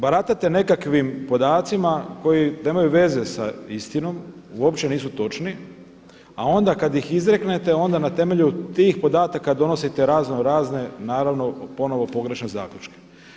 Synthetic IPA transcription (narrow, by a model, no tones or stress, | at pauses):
baɾat̪at̪e̞ne̞kakʋimpo̞d̪aːt̪simako̞jineːmajuʋe̞ze̞sa̰ist̪ino̞muo̞pt͡ʃe̞niːsut̪o̞t͡ʃni | ao̞nd̪akad̪jixizɾe̞kne̞t̪e̞o̞nd̪anat̪e̞me̞ʎut̪iːxpo̞d̪aːt̪akad̪o̞no̞sit̪e̞ɾaːznoɾaːzne̞naːɾaʋno̞po̞no̞ʋo̞po̞ɡɾe̞ʃne̞za̰ːkʎut͡ʃke̥